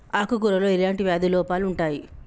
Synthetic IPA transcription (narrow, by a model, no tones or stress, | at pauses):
aːkukuɾɐloːilaːɳʈiʋjaːd̪ilɔːpaːluɳʈaːji